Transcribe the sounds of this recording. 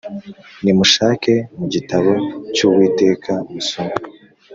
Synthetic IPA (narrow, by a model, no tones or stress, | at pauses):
nimuʃaːke̞muɟitaβo̞cuːβwiːte̞ːkʰamusoŋ